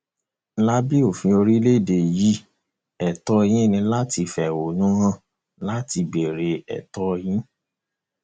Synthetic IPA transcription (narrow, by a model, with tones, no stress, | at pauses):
la˦bi˦o˨fĩ˧o˧ɾi˦le˦˨de˨ji˦ | ɛ˨tɔ˧˦˧j̃ĩ˦˨nĩ˧la˦ti˧fɛ˨wo˨nũ˦ɦã˦˨ | la˦ti˧be˨ɾe˧ɛ̰˨tɔ˦j̃ĩ˦